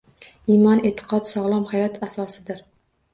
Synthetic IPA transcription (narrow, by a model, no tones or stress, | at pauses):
imɒnet̪ʰɪ̥qʰɒt̪sɒʁlˠɒmhajɒt̪asɒsɪd̪ɪɾ